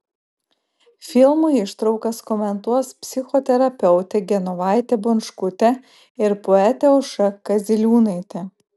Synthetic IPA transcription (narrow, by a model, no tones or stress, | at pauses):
fʲɪlˠmʊɪʃt̪ɾɐʊkɐskɔmʲɛnt̪uɔspʲsʲɪxɔt̪ʲɛɾɐpʲɛʊt̪ʲɛɡʲɛnɔʋɑˑɪt̪ʲɛbʊnʃkʊt̪ʲɛ | ɪɾpɔɛt̪ʲɛʊʃɐkɐzʲɪlʲuːnɐɪt̪ʲɛ